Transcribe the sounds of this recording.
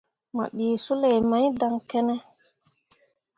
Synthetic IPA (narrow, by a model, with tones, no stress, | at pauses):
ma̰˨ɓi˨su˦le˨jma˨˦jda˨ŋkɛ˦nɛ˦